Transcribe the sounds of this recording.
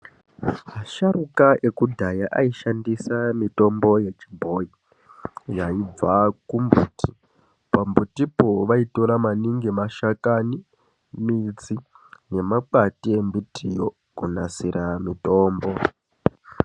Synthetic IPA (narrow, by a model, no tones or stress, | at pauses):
maʃarukaʔekudʱajaʔaiʃandisamito̞mbo̞je̞t͡ʃibʱo̞i | jaib͡vakumbuːtʰi | pambutipoʋaito̞ɾamaniŋɡimaʃakani | mid͡zi | ne̞mak͡patie̞mbitʰijo | kunasiɾamito̞ːmbo̞